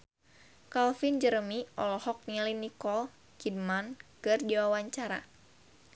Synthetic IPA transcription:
kalfind͡ʒəɾəmiʔɔlɔhɔk̚nilinikɔl | kid̚mankɨrdiwawaɲt͡ʃaɾa̰

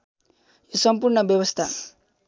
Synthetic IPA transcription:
josʌmpuɾɳʌbjʌwʌst̪ʰa

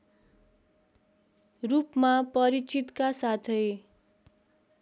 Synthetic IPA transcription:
rupmapʌɾit͡sit̪kasat̪ʰʌj

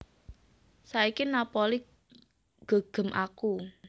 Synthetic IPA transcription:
saikinapoli | ɡ̥o̤ɡ̥ə̤mʔaku

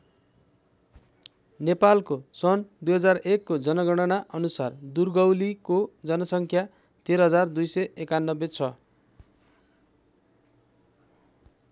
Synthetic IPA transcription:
nepalkosʌnd̪ujɦʌd͡zarekːod͡zʌnʌɡʌɽ̃ʌnaʔʌnusard̪urɡʌwlikod͡zʌnʌsʌŋkʰja | t̪eɾʌɦʌd͡zard̪ujsʌjekanːʌbet͡sʰʌ

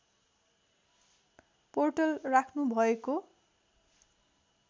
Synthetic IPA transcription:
porʈʌlrakʰnubʱʌeko

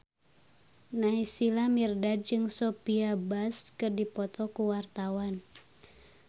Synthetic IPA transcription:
naisilamirdad̚d͡ʒɨŋsɔpiabaskɨrdipɔt̪ɔkuwart̪awan

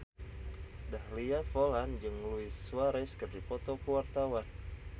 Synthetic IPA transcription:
dahliafoland͡ʒɨŋluɪsːuaɾɛskɨrdipɔt̪okuwart̪awan

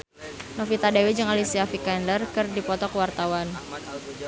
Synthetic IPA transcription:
nɔfit̪adawid͡ʒəŋalisiafikɛndərkɨrdipɔt̪ɔkəwart̪awan

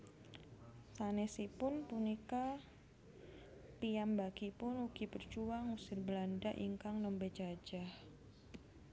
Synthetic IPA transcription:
sanɛsipʊnpunika | piambakipʊnuɡ̥ipərt͡ʃuwaŋusɪrbəlandaʔḭŋkaŋnɔmbed͡ʒad͡ʒah

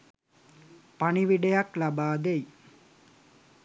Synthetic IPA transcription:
pɐɳiʋiɖejɐklɐbaːd̪ej

